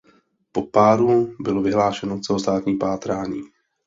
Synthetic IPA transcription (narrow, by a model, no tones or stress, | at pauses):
po̞paːɾubɪlo̞vɪɦlaːʃɛnot͡sɛlost̪aːt̪ɲiːpaːt̪ɾaːɲiː